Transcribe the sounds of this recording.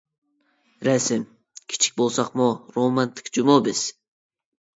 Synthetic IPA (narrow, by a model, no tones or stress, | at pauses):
ɾæsɪm | kʲʰi̥t͡ʃʰi̥k̚ʲbolˠsɑqmoɾomɑnt̪ʰɪ̥kʲd͡ʒumobɪz̥